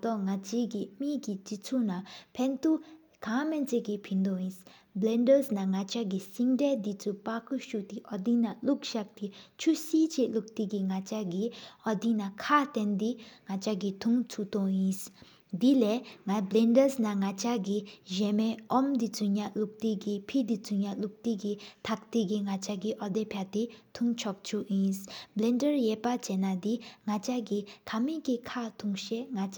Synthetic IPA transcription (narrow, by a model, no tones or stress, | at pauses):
t̪ɔŋat͡ʃiɡimiɡid͡ʒit͡sʰunapʰɛnt̪u | ɡʰamɛnt͡seɡipʰind̪ɔjĩs | blɛndəsnaŋat͡ʃaɡisiŋdɛd̪it͡supakuʃut̪iʔɔd̪inalukʃak̚t̪it͡ʃʰusit͡ʃeʔluk̚t̪iɡiŋat͡ʃaɡiɔd̪inakʰat̪ɛnd̪iŋat͡ʃaɡit̪ʰuŋt͡sʰut̪ɔjĩs | d̪ileŋablɛndəsnaŋat͡ɕaɡiʑɛmeʔɔmd̪it͡suɲaʔluk̚t̪iɡipʰid̪it͡suɲaʔluk̚t̪iɡit̪ʰak̚t̪iɡiŋat͡ɕaɡiʔɔd̪epʰjat̪it̪ʰuŋt͡ɕʰɔk̚t͡ɕʰuʔjinsblɛndəɹjɛpat͡ɕɛnad̪iŋat͡ɕaɡikʰamikikʰat̪ʰuŋɕeŋa